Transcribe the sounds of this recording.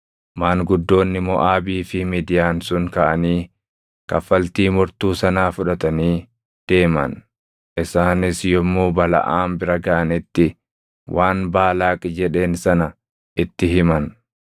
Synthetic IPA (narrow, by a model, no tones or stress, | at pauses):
maːŋɡʊd̪ːo̞ːnːɪmɔʔaːbiːfɪmiːd̪ɪjaːnsʊŋkɐʔɐniː | kɐfɐlt̪iːmʊɾt̪uːsɐnaːfʊᶑɐt̪ɐniː | d̪̥e̞ːmɐ̰n | ʔɪsaːnɪsjɔmːuːbɐlɐ̰ʔaːmbɪɾɐɡɐʔɐnɪt̪ːɪ | wʔaːnbaːlaːkʼɪd͡ʒɛᶑe̞ːnsɐnɐ | ʔɪt̪ːɪɦɪmɐn